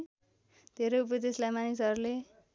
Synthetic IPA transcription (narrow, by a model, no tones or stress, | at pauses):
d̪̥ʱeɾʌupʌd̪eslajmanisʌɾule